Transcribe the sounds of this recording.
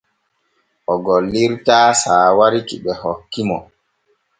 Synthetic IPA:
ʔɔɡɔlːiɾtaːsaːwaɾikiɓɛhɔkːimɔ

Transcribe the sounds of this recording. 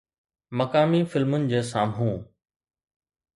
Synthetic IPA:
mɐkaːmifɪlmʊnɪ̆d͡ʑeːsaːmɦũː

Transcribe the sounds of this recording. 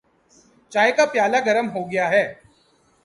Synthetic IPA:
t͡ʃaːekapjaːlaɡɐɾəmɦoɡɐjaɦɛː

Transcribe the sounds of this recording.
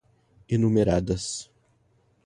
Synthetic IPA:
ɪnumʲeɾaːd̪ɐs

